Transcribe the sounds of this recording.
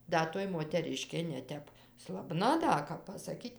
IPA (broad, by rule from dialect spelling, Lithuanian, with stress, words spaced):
ˈdɐ toːj moːtʲɛˈrʲɪʃʲkʲeː nʲɛˈtʲɛp slˠɐˈbnɐ ˈdɐ kɐp pɐsɐˈkʲiːtʲ